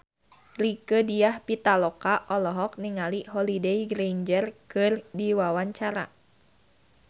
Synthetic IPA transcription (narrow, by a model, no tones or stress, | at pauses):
rikədijahpit̪alɔkaʔɔlɔɦɔk̚niŋaliɦɔlideiɡɾejnd͡ʒərkɨrdiwawaɲt͡ʃaɾa̰